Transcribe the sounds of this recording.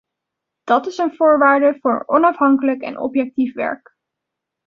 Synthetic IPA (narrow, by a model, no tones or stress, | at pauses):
d̥ɑtɪsənvʊːɹʋaːɹdəvʊːɹɔnɑfɦɑŋkələkɛ̰nʔɔ̰pjɛk̚tifʋɛ̰ɹk